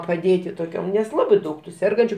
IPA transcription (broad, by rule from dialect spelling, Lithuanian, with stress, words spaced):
pɐˈdʲeːtʲɪ toːˈkʲoːm nʲɛs ˈlˠɑːbɐɪ ˈdɐʊk tʊ ˈsʲɛrɡɐnʲt͡ʃʲʊ